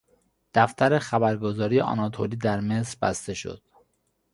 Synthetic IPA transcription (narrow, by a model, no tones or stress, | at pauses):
d̪̥æft̪ʰæɾexæbæɾɡo̞zɒːɾijeʔɒ̰nɒt̪ʰoliːd̪æɾme̞sɾbæ̰st̪e̞ʃo̰d̪̥